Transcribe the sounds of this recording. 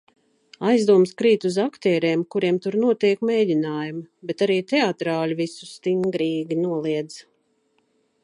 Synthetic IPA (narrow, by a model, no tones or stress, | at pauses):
ajzd̪uɔmskɾiːt̪uzakt̪ɛːɾɛːmkuɾiɛmt̪uɾnuɔt̪iɛkmeːdʲinaːjumbet̪aɾiːt̪eat̪ɾaːlʲivisu̥st̪iŋɡɾiːɡʲinuɔlˠiɛd̪z̥